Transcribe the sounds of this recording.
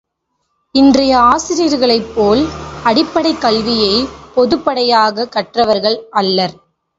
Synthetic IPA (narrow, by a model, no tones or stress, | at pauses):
ɪndrɐjɐaːsɪɾijɾɣɐɭɐɪpːoːlɐɽɪpːɐɽɐɪkːɐlʋɪjɐɪpɔðɯpːɐɽɐjaːɣɐkːɐʈrɐʋɐɾɣɐɭʔɐlːɐɾ